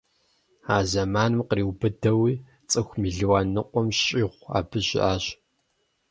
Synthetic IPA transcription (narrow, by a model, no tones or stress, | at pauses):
aːzɐmaːnɨmqriːwbɨdɐwiː | t͡sʼɨxʷmiːɮɨwaːnɨqʷʼɔmɕʼiːʁʷa̰ːbɨɕɪ̰ʔaːɕ